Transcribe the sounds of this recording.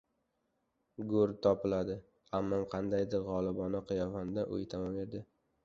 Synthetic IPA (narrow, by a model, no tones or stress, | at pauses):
ɡʊɾt̪ʰɒpɪlad̪ɪ | amːɒmqʰɑnd̪ajd̪ɪɾʁɒlˠɪbɒnɪqʰɨjɒvand̪aʔʊ̰jt̪ʰamɒmeɾd̪ɪ